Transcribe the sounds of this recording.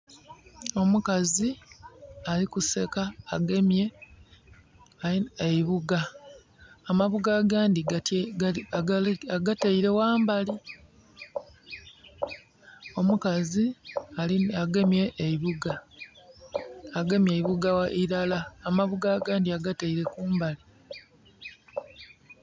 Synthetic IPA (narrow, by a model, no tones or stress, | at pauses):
o̞mukazi | alikuse̞kaːɡe̞mje̞ | eiβuɡaː | maβuɡaːɡaːndit | aɡataiɾe̞waːmbali | o̞mukazialiaɡe̞mje̞ʔːiβuɡa | ɡe̞mjeiβuɡawaʔiɾalaːmaβuɡaːɡaːndiaɡataiɾe̞kuːmbali